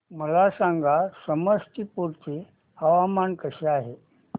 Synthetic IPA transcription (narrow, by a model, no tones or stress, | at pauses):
məlasãŋɡasəməsʈipuɾt͡si | aʋamankəɕeaɦe